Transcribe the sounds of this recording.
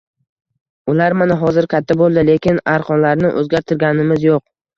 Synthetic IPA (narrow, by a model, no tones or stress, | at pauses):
ʊlaɾmanaɦɒzɪɾkʲʰat̪ʰːabolˠd̪ɪle̞kʲɪnaɾqʰɒnlaɾnɪʔɵ̰zɡʲaɾt̪ʰɪɾɡʲanɪmɪzjoq̚